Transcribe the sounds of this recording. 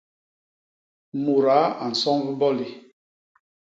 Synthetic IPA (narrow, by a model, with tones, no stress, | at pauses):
mu˨ɾa˨˦a˨n̩˨sɔ˦ŋvi˦mbɔ˦li˨